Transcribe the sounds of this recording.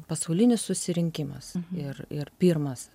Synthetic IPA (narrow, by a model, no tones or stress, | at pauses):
pɐsɐʊlʲɪnʲɪssʊsʲɪɾʲɪŋʲkʲɪmɐ̰sɪrɪrpʲiːrmɐs